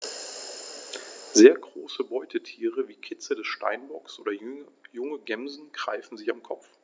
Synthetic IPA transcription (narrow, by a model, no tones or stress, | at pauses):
zeːɐɡʁoːsəbɔʏtʰətʰiːʁəviːkʰɪt͡sədɛsʃta̰ɪnbɔksʔo̰ːdɐjʊŋəɡɛmzn̩ɡ̥ʁ̥aɪfn̩zɪçamkʰɔpp͡f